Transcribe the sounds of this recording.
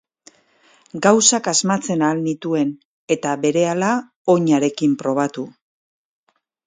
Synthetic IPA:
ɡawsakazmat͡se̞naːlnit̪ue̞n | e̞t̪aβe̞ɾe̞ala | o̞ɲaɾe̞kimpɾo̞β̞at̪u

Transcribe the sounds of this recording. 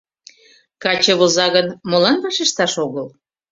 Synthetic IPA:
kɑt͡ɕə̆βozɑɣənmolɑnβɑʃeʃt̪ɑʃoɣəl

